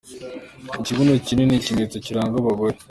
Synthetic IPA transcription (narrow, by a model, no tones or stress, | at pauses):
iciβunocinenicimet͡sociɾaːŋɡoβaβoɾe